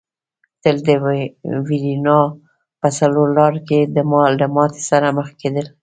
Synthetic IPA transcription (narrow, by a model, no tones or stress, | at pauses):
t̪əld̪əwiɾinɑ | pəsaloɾlɑɾked̪əmɑld̪əmɑt̪e̥saɾaməxked̪əl